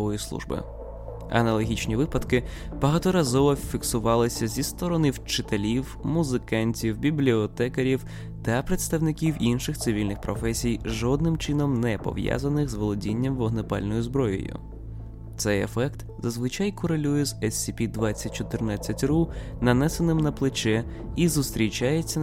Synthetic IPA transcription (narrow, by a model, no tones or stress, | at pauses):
ʋɔjislˠṵʒbɪ̰ | ɐ̰nɐlˠɔɦʲit͡ʃnʲiʋɪpɐd̪kɪ | b̥ɐɦɑt̪ɔɾɐzɔʋɔfʲiksʊʋɑlˠɪsʲɐzʲist̪ɔɾɔnɪwt͡ʃɪt̪elʲiwmʊzɪkɑnʲtʲiwbʲiblʲiɔt̪ɛkeɾʲiw | t̪ɐpɾet̪st̪ɐwnɪkʲiwinʃɪxt̪sɪʋʲilʲnɪxpɾɔfɛsʲijʒɔd̪̚nɪmt͡ʃɪnɔmnɛpɔ̰ʋja̰zɐnɪxzʋɔlˠɔdʲinʲːɐmʋɔɦnepɑ̰lʲnɔjʊzbɾɔjʊ̰jʊ̰ | t̪sɛjḛfɛkt̪ | zɐzʋɪt͡ʃajkɔɾelʲujɛzɛsːʲipʲid̪ʋɑt͡sʲːɐtʲt͡ʃɔt̪ɪrnɑt͡sʲːɐtʲru | nɐnɛsenɪmnɐplˠɪt͡ʃɛ | izust̪ɾʲit͡ʃajet͡sʲːɐ